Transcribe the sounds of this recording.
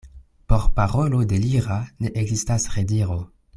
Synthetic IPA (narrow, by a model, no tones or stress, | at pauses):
po̞ɾpaʁo̞lo̞de̞liɾane̞ʔeɡzistasʁediɾo